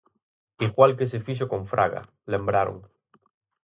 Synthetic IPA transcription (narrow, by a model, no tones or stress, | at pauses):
iɣwalk̬esefiʃ̬okõɱfɾʔa̰ɣa̰ | lẽ̞mbɾaɾo̰ŋ